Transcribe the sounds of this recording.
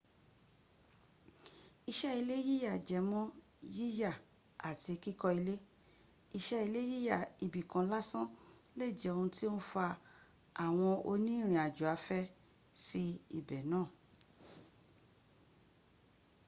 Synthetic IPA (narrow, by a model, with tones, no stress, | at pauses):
i˧ʃɛ˦i˧le˦ji˦ja˦˨d͡ʒɛ˨mɔ̃˦ | ji˦ja˦˨ | a˨ti˧ki˦kɔ˧i˧le˦ | i˧ʃɛ˦i˧le˦ji˦ja˦˨i˨bi˨kã˨˦la˦sã˦ | le˦˨d͡ʒɛ˨o˧ũ˧ti˦o˦nũ˦fa˧ | a˨w̃ɔ̃˧o˧nĩ˦ɾ̃ĩ˨a˨d͡ʒu˨a˨˧˦fɛ˦ | si˦ḭ˦˨bɛ˨nãː˦˨